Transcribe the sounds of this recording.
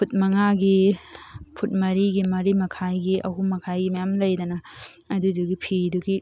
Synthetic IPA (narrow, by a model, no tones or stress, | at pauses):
pʰut̚mɐŋaɡi | pʰut̚mɐɾiɡimɐɾimɐkʰajɡiʔɐ̰ɦumɐkʰajɡimɐjamlɐjdɐnɐ | ɐduduɡipʰiduɡi